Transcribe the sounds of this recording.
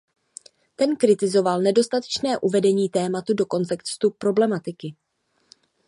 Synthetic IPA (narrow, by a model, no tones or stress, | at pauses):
t̪ɛnkɾɪt̪ɪzo̞valnɛdo̞st̪at̪ɛ̥t͡ʃnɛːʔuvɛdɛɲiːt̪ɛːmat̪udo̞ko̞nt̪ɛkst̪upɾo̞blɛmat̪ɪkɪ